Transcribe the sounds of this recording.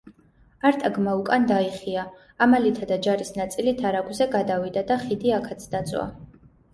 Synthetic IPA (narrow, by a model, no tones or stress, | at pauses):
aɾt̪ʼaɡmaukʼand̪aiχiaː | malit̪ʰad̪ad͡ʒaɾisnat̪sʼilit̪ʰaɾaɡwzɛɡad̪avid̪ad̪aχid̪iakʰat̪sʰd̪at̪sʼwa̰